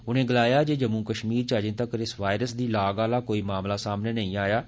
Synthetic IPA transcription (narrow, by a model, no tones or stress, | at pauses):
ʊnẽːɡəlaːjaːd͡ʒeːd͡ʒəmũːkəʃmiːɾt͡ʃəd͡ʒẽːt̪əkɾɪsʋaːɪɾəsd̪iːlaːɡaːlaːkoːiːmaːmlaːsaːmneːnəĩːaːjaː